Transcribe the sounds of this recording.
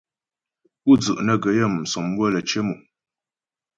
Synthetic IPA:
u˦d͡zʉ˨ʔnə˨ɡə˨˦jə˦˨m̩˨sɔ˨mwə˦lə˨t͡ʃe˦mu˨

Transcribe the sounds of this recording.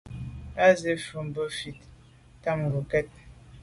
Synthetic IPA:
a˦ze˨fə˨m˨bə˦fi˨t̚ | ta˦˨ŋ˨ɡu˨kɛ˦t̚

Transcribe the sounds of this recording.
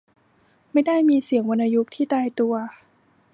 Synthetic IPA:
ma˥˩jda˥˩jmiː˧si˨˩əŋwo˧nʔa˧ju˦˥k̚t̪ʰiː˥˩t̪aː˧jt̪u˧ɐ

